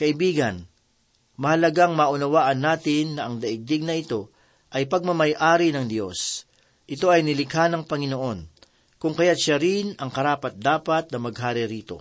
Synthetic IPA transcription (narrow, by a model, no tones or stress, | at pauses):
kɐʔɪbiːɡɐn | mɐhɐlɐɡaŋmɐʔʊnɐwaːʔɐnːaːt̪ɪnːɐʔɐŋd̪ɐʔɪɡ̚d̪ɪɡ̚nɐɪt̪o̞ | ʔɐjpɐɡ̚mɐmɐjʔaːɾinɐŋd̪jo̞̰s | ʔɪt̪o̞ʔɐjnɪlɪkhanɐŋpɐŋɪnoʔo̞n | kʊŋkɐjat̪ʃaɾɪnɐŋkɐɾaːpɐt̪̚d̪aːpɐt̪̚nɐmɐɡ̚ɦaːɾɪɾiːt̪o̞̰